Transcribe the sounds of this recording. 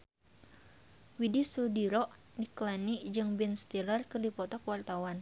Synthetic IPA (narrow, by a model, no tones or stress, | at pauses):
widisudiɾɔʔ | niklanid͡ʒɨŋbɛnst̪ilarkɨrdipɔt̪ɔkwart̪awan